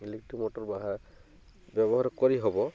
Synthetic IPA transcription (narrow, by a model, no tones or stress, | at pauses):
ilek̚ʈimɔtɔɹbaɦa | bɛbɔɦaɹɔkɔɹiɦɔbɔ